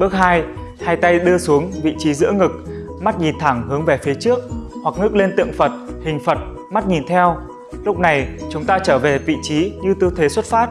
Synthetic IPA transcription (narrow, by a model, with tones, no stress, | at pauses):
ɓɨ˦˥ək̚haː˧j | haː˧jt̪a˧jɗɨ˧əsu˨˦əŋvḭ˧˨t͡ɕi˨˦zɨ̰˧˥ŋɨ˨˩k̚ | ma˦˥t̚ɲi˨˩nt̪ʰa˧˩ŋhɨ˨˦əŋve˧˩fi˨˦t͡ɕɨ˦˥ək̚hwa˨˩k̚ŋɨ˦˥k̚le˧nt̪ɨ̰˧˨əŋfə˨˩t̚hï˨˩ŋ̟fə˨˩t̚ | ma˦˥t̚ɲi˨˩nt̪ʰɛ˧w | lʊ˦˥k͡p̚na˨˩jt͡ɕʊ˨˦ŋ͡mt̪aː˧t͡ɕəː˧˩ve˨˩vḭ˧˨t͡ɕi˨˦ɲɨ˧t̪ɨ˧t̪ʰe˨˦swə˦˥t̚faː˦˥t̚